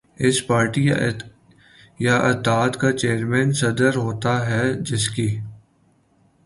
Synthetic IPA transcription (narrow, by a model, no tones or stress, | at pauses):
ɪspaːɾʈi | jaʔɐt̪aːt̪kat͡ʃeːəɾmɛ̃ːnsɐd̪əɾɦoːt̪aɦɛd͡ʒɪskiː